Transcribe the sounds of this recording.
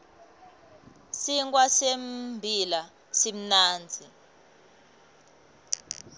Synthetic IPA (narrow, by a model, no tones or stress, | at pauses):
siŋkwasembʱila | sim̩naːnd͡zʱi